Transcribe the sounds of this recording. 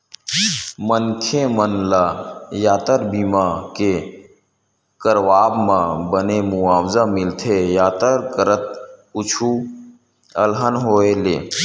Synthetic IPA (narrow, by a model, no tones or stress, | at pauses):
mənkʰemənlaːjaːt̪əɾbimake | kəɾʋaːbmãbənemʊaːwzamɪlt̪ʰejaːt̪əɾkəɾət̪̚ʊt͡ʃʰu | əlɦənɦoːeleː